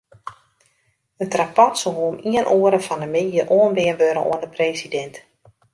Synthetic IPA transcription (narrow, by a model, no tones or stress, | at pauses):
ətrapɔtsoɦoəmiənʔoəɾəfɔndəmejəʔoənʋɪənʋøɾə̰ʔo̰əndəpreːsidɛnt